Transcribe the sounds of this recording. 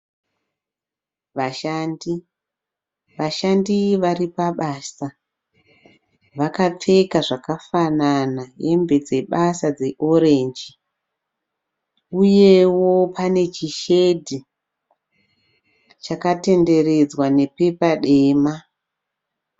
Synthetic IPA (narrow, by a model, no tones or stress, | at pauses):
ʋaʃaːndi | ʋaʃandiʋaripaɓaːsa | ʋakap͡fe̞kaʐakafananaje̞mbe̞d͡ze̞ɓasad͡ze̞ʔo̞ɾe̞ːnd͡ʒi | uje̞wo̞pane̞t͡ʃiʃe̞dʱi | t͡ʃakate̞nde̞re̞d͡zwane̞pe̞paɗeːma